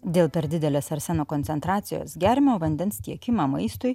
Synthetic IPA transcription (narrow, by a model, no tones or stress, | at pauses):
d̪ʲeːlˠpʲɛɾd̪ʲɪd̪ʲɛlʲeːsɐɾʲsʲɛnoːkonʲtsʲɛnt̪ɾɑːt̪sʲɪjo̰ːsɡʲæːɾʲmʲooːʋɐnʲd̪ʲɛnst̪ʲiɛkʲɪmɑːmɐɪst̪ʊj